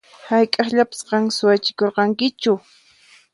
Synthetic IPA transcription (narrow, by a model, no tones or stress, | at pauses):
hajkʼɑχʎapɪ̥sqɑŋsʊwat͡ʃɪkoɾqɑŋkɪt͡ʃʊ